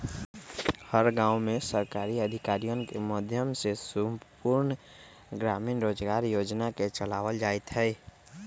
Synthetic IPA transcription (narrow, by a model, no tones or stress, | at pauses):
həɾɡãːʊmẽsəɾkaːɾiəd̪ʱɪkaːɾijonkeməd̪ʱjəmsesumpuɾn | ɡɾaːminɾoːd͡ʒɡaːɾjoːd͡ʒnaket͡ʃəlaːʋəld͡ʒaːet̪ɦɛ